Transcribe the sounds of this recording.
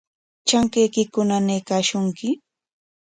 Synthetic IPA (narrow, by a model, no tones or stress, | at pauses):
t͡ʃaŋkejkɪkʊnanejkaːʃʊŋkɪ